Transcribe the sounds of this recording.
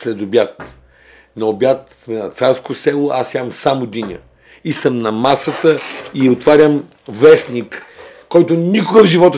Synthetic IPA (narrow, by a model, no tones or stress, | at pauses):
slɛd̪obʲjat̪ | nɐobʲjat̪ | mɛnɐt̪saɾskosɛlˠoʔasavɐmsamod̪inʲə̰ | isəmnɐmasət̪əiot̪vaɾʲəm | vɛsnikː | ɔjt̪onikʊɡəvʒivɔt̪